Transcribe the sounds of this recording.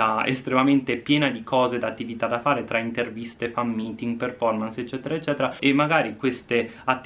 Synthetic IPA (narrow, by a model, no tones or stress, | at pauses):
aḛst̪ɾemament̪epjɛːnad̪ikʰɔːzed̪at̪ːivit̪ad̪afaːɾet̪ɾʔaint̪ervist̪efamːiːt̪iŋɡperfɔrmanset͡ʃːɛːt̪eɾaet͡ʃːɛːt̪eɾaemːaɡaːɾikwest̪e | at̪ː